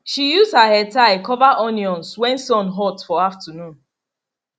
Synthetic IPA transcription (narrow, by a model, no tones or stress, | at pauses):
ʃijuzhahɛtaɪkɔvaʔɔniɔ̃nswɛ̃nsɔ̃nɦɔtfɔaftʰənũn